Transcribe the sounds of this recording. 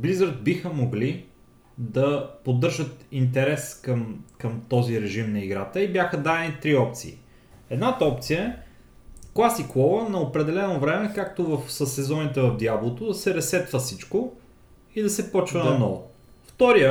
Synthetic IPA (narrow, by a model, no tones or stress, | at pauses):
blizəɾət̪̚bixəmoɡli | d̪ɐpod̪ːɤɾʒət̪int̪ɛɾɛskəmkɐmt̪ɔziɾɛʒimnɐiɡɾat̪əibjaxəd̪ad̪ɛnit̪ɾiɔp̚t̪sḭi | ɛd̪nat̪əɔp̚t̪sijəɛ | klˠasikvɔvənɐopɾɛd̪ɛlɛnovɾɛmɛkak̚t̪ovɐfsɐsɛzɔnit̪ɛvɐvd̪ʲjablˠot̪od̪ɐsɛɾɛsɛt̪vəfsit͡ʃko | id̪ɐsɛpɔt͡ʃvɐnɐnɔvʊ | ft̪ɔɾiə